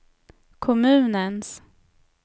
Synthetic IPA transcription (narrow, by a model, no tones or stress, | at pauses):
kʰɔmʉ̟ːnəns